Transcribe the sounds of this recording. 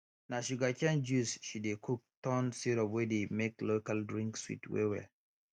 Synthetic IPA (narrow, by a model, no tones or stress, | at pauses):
naʃuɡakɛ̃nd͡ʒusʃidekʰuk̚tɔ̃nsiɾɔwɛdemeklokaldɹĩŋkswḭtwḛwɛ̰l